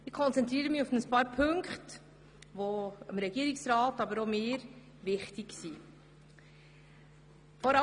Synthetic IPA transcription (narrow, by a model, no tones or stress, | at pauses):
ɪkʰɔnt͡sɛntɾiːɾəmɪufnəspɑːɾpʰɵŋkχt | ʋoəmɾɛɡiːəɾiksɾɑːtɑbəɾomeːɾ | ʋɪχtɪksi | fɔɾɑ